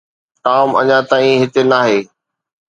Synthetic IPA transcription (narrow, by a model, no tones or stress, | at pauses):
ʈaːmɐ̰ɲãt̪aːĩɦɪt̪enaːɦeː